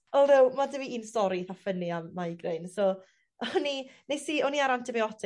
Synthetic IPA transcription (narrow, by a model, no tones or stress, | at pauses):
ɔlˠðɪwmadəviiːnstɔɾiθafəniamːaɡrejnsɔ | ɔninejsiɔniaɾantʰɪviɔdɪ